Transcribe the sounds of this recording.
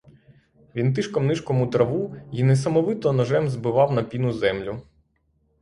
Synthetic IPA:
ʋʲint̪̬ɪʃkɔmnɪʃkɔmʊt̪ɾɐʋuinɛsɐmɔʋɪt̪ɔnɔʒɛmzbɪʋɑwnɐpʲinʊzɛmlʲʊ

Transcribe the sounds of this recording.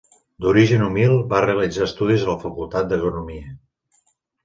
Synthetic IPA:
d̪uɾiʒənumilˠbareəlid͡zaəst̪uð̞izələfəkulˠt̪at̪̚d̪əkunumiə

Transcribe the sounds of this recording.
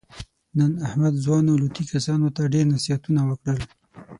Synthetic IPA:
nənahmad̪zwɑnolut̪ikasɑnot̪aɖeɾnasiat̪unawəkɽəl

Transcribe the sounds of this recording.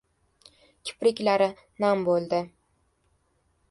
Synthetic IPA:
kʲʰɪ̥pɾɪkʲlaɾɪ | nambolˠd̪ɪ

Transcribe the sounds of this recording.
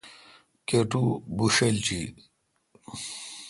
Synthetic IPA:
keʈubuɕelt͡ɕi

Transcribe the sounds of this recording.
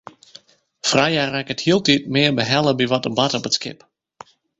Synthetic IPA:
frajarɛkəthiəlˠtit̚mɪːərbəɦɛlˠəbiʋɔtəbatɔpətskɪ̰p

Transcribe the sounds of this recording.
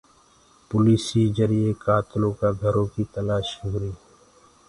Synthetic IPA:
pʊliːsiːd͡ʒəɾiekaːt̪lõːkaɡʱəɾõkit̪əlaːʃuɦɾiː

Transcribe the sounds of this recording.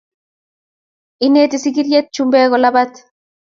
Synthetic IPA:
inet̪isik̬iɾjɛt̪̚t͡ʃumbɛːkɔlabat̪

